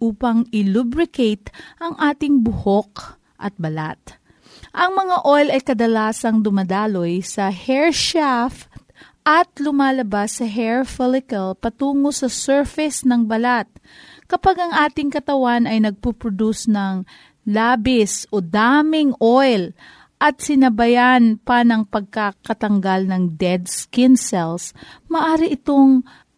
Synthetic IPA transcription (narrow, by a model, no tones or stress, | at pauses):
ʔuːpɐŋɪlubɾɪkejt̪ʔɐŋʔaːt̪ɪŋbʊhok̚ | ʔɐ̰t̪̚bɐla̰t̪̚ | ʔɐŋmɐŋaʔojlɐjkɐd̪ɐlaːsɐŋd̪ʊmɐd̪aːlo̞jsɐhɛɹʃaft̪̚ | ʔɐt̪lʊmaːlɐbasːɐɦɛɹfɛlɪkɐlpɐt̪uːŋosɐsɛɹfɪsnɐŋbɐlat̪̚ | kɐpaɡɐŋʔaːt̪ɪŋkɐt̪ɐwanɐjnɐɡ̚pupɾod̪usnɐŋ | laːbɪsʔod̪amɪŋʔojl | ʔɐt̪̚sɪnɐbɐjanpɐnɐŋpɐɡ̚kakɐt̪ɐŋɡalnɐŋd̪ɛd̪skɪnsɛlsmɐʔaːɾɪʔɪt̪o̞ŋ